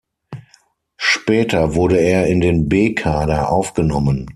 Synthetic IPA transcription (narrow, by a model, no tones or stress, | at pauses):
ʃpɛːtɐvʊɐɾəeːɐɪndeːnbeːkʰaːdɐʔaʊfɡ̥ənɔmən